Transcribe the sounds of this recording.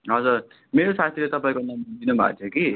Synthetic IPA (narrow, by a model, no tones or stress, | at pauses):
ɦʌd͡zur | meɾosat̪ʰilet̪ʌpaĩkonʌmd̪inubʱa̰t͡s̪ʰjoki